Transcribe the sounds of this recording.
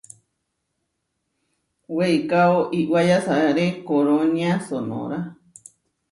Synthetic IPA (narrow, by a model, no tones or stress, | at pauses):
weikaoʔiʔwajasaɾekoɾoɲiãsono̰ɾa